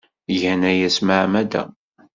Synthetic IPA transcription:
ʝænæjæsmaʕmæd̪æ̰

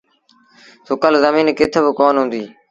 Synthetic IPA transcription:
sokəlzəmiːnkɪt̪ʰebɪkoːnɦʊ̃ːnd̪iː

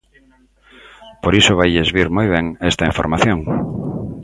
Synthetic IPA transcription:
poɾisʊβajðezβiɾmojβ̞ɛŋest̪ɐiɱfo̰ɾmaθjoŋ

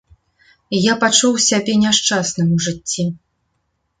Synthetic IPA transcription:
japat͡ʂuwsʲabʲɛnʲaʂt͡ʂasnɨmuʐɨt͡sʲːi

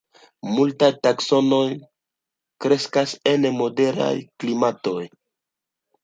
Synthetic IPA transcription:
multajtakso̞no̞j | kɾe̞skase̞nmode̞ɾa̰jklimato̞j

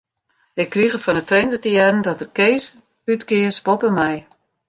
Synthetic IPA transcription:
ɪkːriɣəfɔnətrendətiɛrn̩dɔtərkeːs | ytkɪəspopəmɛj

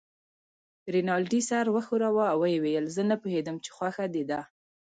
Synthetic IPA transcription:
ɾenɑlɖisaɾwəxuɾawaawːəjewejəlzənəpuhed̪əmt͡ʃe̥xwaxad̪ed̪a

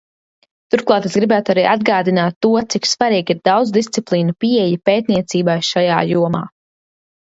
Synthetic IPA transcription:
t̪uɾklˠɑːt̪esɡɾibæːt̪uaɾiːʔad̪ɡaːd̪inaːt̪ːuɔt̪siksvaɾiːɡiɾd̪awd̪zd̪ist̪siplˠiːnupiɛjapeːt̪̚niɛt̪siːbajʃaja̰ːjuɔma̰ː

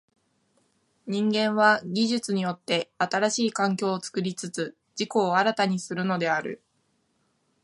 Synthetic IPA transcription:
ɲ̟ĩŋɡẽ̞ɰ̃βaɡʲiʑɨt͡sɨɲ̟ijo̞t̪ːe̞at̪aɾaɕiːkãŋk̬ʲo̞ːt͡sɨ̥kɯ̟ɾʲit͡sɨt͡sɨ | d͡ʑiko̞ːaɾat̪aɲ̟isɨɾɯ̟no̞d̪e̞aɾɯ̟̰

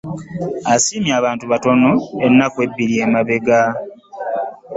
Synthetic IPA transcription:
asiːmjaːβaːntuβato̞no̞enːakwe̞bːiɾiemaβe̞ɡa

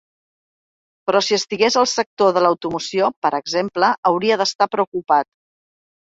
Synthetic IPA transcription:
pɾɔsiəst̪iɣezəlˠsək̚t̪oðələwt̪umusiopəɾʔəɡzempləʔəwɾiəðəst̪apɾəukupat̪̚

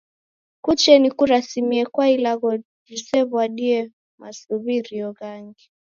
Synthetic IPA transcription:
kut͡ʃɛnikuɾasimiɛkwailaɣɔ | d͡ʒisɛβwaɗiɛ | masuβiɾiɔɣaŋɡi

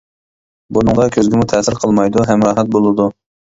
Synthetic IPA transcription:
bunɨŋʁɑkʲʰøzɡʲɪmut̪ʰɛːsɪɾqʰəlˠmɑjd̪uɦɛmɾɑnɛt̪̚bolˠɨd̪u

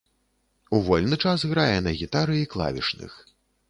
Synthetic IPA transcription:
uvɔlʲnɨt͡ʂasɣɾajɛnɐɣʲit̪aɾɨiklˠa̰vʲḭʂnɨ̰x

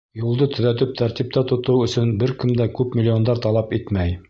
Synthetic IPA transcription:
julˠd̪ɤt̪ɵ̆ðæt̪̬ɵp̚t̪ʰæɾt̪ip̚t̪æt̪ŏt̪ɤwɵ̆sɵnbɘɾkɘ̆md̪ækʉpmʲɪlʲːio̞nd̪ɑɾt̪ɑlˠɑpit̪mæj

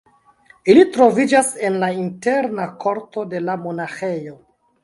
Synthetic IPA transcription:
ilitɾo̞vid͡ʒase̞nlainte̞ɾnakʰo̞ɾto̞de̞lamo̞naxe̞jo̞

